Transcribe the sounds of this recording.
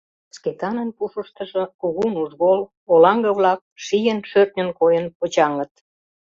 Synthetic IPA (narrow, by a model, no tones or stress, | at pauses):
sket̪ɑnənpuʃəʃt̪əʒə̆kuɣunuʒɣol | olɑŋɡə̆βlɑk̚ʃijənʃørt̪̚nʲənkojənpot͡ɕɑŋət̪̚